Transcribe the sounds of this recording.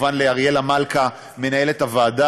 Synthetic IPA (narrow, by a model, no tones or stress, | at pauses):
vanleaʁje̞lamalka | me̞nae̞le̞tavaːda